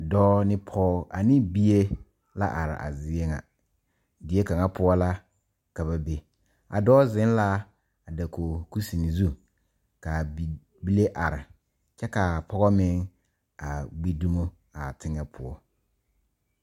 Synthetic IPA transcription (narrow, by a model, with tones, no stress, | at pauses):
dɔː˦nɪ˦pʰɔː˦a˨nɪ̃˦bi˦e˦ | la̰˦ʔa˨ɾɪ̰˨ʔa̰˨zɪ˦ɛ˦ŋa̰˨ | dɪ˨˦e˦ka˨ŋa˦pʰʊ˦ɔ˦la˦ | ka˨ba˨be˦ | a̰˨dɔː˦zɪ̃˦n˦la˦ | a˨da˨kʰo˨ku˦si˨ni˨zu˦ | ka˨ | bi˦le˦ʔa˨ɾɪ˨ | t͡ʃɛ˦ka˨pʰɔ˦ɣɔ˦mɪ̃˦ŋ | a˨ɡ͡bi˦du˦mo˦ | a˨tʰɪ˦ŋɛ˨pʰʊ̰˨ɔ˦